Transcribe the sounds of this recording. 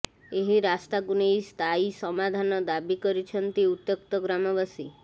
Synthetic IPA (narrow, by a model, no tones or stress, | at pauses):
eɦiɾast̪aɡunejst̪ʰaisəmad̪ʱanɔd̪abikəɾit͡ʃʰənt̪iut̪jəkt̪ɔɡɾamɔʋasi